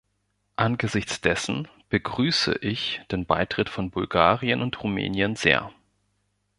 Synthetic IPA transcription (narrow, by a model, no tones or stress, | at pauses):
ʔanɡəzɪçt͡sd̥ɛsn̩ | b̥əɡʁyːsə̰ʔɪçd̥eːnba̰ɪtʁ̥ɪtfɔnbʊlɡaːʁiənʊntʁ̥umɛ̰ːnjənzḛːɐ